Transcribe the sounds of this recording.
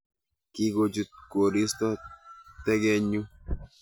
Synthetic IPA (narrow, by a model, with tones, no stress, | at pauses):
ki˦ɡo˦d͡ʒu˨t̪̚ko˨ɾi˦st̪ɔ˦t̪ɛ˦ɡɛ˦ɲu˦